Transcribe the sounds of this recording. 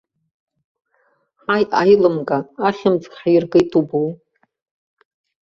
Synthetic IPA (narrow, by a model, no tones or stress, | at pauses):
ħajajlɨmɡʼaːχʲɪmt͡sʼχħajɪrɡejtʰʼubuw